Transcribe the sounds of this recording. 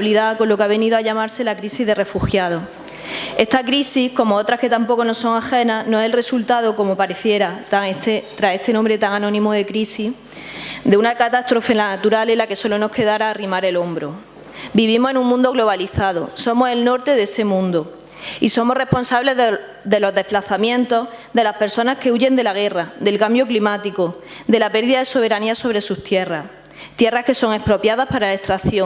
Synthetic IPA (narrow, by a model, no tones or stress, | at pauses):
liðako̞lːo̞kaβe̞niðoaʎamaɾse̞lakɾisiɦðe̞re̞fuxjað̞o̞ | e̞st̪akɾisihko̞moot̪ɾake̞t̪ampo̞ko̞no̞so̞ŋaxe̞nanoeselre̞sult̪aðo̞ko̞mo̞paɾe̞θje̞ɾat̪aet̪et̪ɾase̞st̪e̞nõmbɾe̞t̪aŋanõ̞nĩmoðe̞kɾisi | d̪e̞unakat̪ast̪ɾo̞fe̞nlanat̪uɾalelake̞so̞lo̞no̞hke̞ðaɾaːrimaɾe̞lo̞mbɾo | biβ̞imoe̞nũŋmũnd̪o̞ɣlo̞β̞aliθaðo̰so̞mo̞se̞lno̞ɾt̪e̞ðese̞mũnd̪o | iso̞mo̞re̞hpo̞nsaβle̞ð | d̪e̞lo̞zðe̞hplaθamjẽ̞nt̪o̞hd̪e̞lape̞ɾso̞nahke̞uʝe̞nd̪e̞laɣ̞e̞rad̪e̞lkambjo̞klimat̪ikod̪e̞lape̞ɾðiðaðe̞so̞β̞e̞ɾaniaso̞βɾe̞sust̪je̞ras | t̪je̞rahke̞so̞ŋe̞hpɾo̞pjaðahpaɾalae̞hst̪ɾaθjo